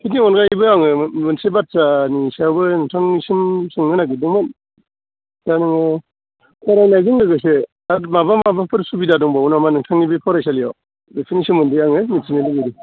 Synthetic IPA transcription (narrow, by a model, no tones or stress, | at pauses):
kʰiniɔnɡajbɯaŋɯmɯnsebat̚sanisawbɯnɯŋtʰaŋisimsɯŋːɯnaɡidɔŋmɯn | tanɯŋɯ | kʰaɾajnajzɯŋlɯɡɯs̬e | amabamabapʰɯɾsubidadɔŋbaunamanɯŋtʰaŋnibipʰɔɾajsalija | depʰinisɔnmɔndijaŋɯmitsinilɯɡidi